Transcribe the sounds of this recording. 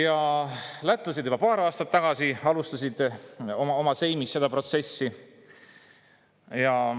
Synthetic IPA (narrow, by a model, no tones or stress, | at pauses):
jɑlæt̪ːˑlɑs̬ʲid̪yb̥ɑpɑːɾɑːst̪ɑt̪ːɑɡ̥ɑsiɑlust̪ɑsid̪̥o̞mɑo̞mɑse̞jmisːe̞d̪̥ɑpro̞t̪se̞sːi | jɑ